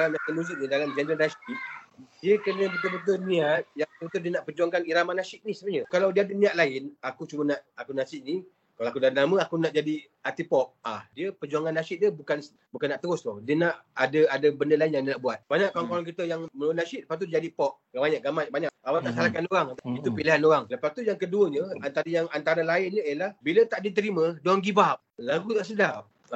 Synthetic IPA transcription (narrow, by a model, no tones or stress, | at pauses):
alamniaʔk̪ənuzuʔnədalamd͡ʒɛnd̪ɾənasiʔ̪̚diəkənəbət̪̬ʊbət̪̬ʊniat̪̚jaŋəpət̪ʊdiənaʔpərd͡ʒuaŋkaniɾamanasɪʔ̪̚nisəbəɲəkalawdiəadəniaʔ̪laɪnakut͡ʃumənaʔakunasɪʔ̚ni | kalowakudanaməakunaʔd͡ʒadi | at̪ipɔk̚ahdiəpəd͡ʒuaŋanːasɪt̪̚dəbukans | bukanːaʔt̪əɾʊst̪odiənaʔadəadəbəndəlaɪnjaŋdinaʔbuat̪̚baɲaʔkaŋkoɾaŋk̬it̪əjaŋmənuanasɪʔ̪ləpas̚t̪udiəd͡ʒadipɔk̚ɡabaɲaʔɡamajbaɲaʔ̚awaaʔsalakanoɾaŋat̪ait̪upiliɦanoɾaŋləpast̪ujaŋkəduəɲəant̪aɾəjaŋant̪aɾəlaɪnɲəəlahbilət̪aʔdiət̪̬əɾimədoaŋɡibap̚laɡut̪aʔsədap̚